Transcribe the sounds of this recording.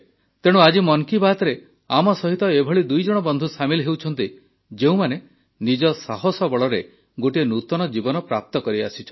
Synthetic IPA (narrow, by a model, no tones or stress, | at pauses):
t̪eɽ̃uad͡ʒimɔŋkibaɦt̪ɔɾe | amɔsɔɦit̪ɔebʱɔɭid̪ujd͡ʒɔɽ̃ɔbɔnd̪ʱusamilɦewt͡ʃʰɔn̪t̪i | d͡ʒeũmane | nid͡ʒɔsaɦɔsɔbɔɭɔɾe | ɡoʈienut̪ɔɽ̃ɔd͡ʒibɔnɔpɾap̚t̪ɔkɔɾia̰sit͡ʃʰɔ